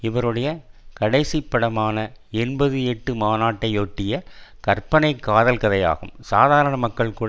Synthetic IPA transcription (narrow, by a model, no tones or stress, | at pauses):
ɪʋɐɾɯɽɐjɐkɐɽɐɪsɪpːɐɽɐmaːnɐɛnbɐðɯɛʈːɯmaːnaːʈːɐɪoːʈːɪjɐkɐrpɐnɐɪkːaːðɐlkɐðɐja̰ːɣɯmsaːðaːɾɐɳɐmɐkːɐɭkuːɽɐ